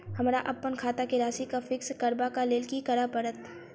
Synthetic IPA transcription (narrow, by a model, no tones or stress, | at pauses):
hɐmɾaʔɐpːənkʰaːt̪akeɾaːsikafɪkskɐɾbakaleːlkikɐɾapɐɾət̪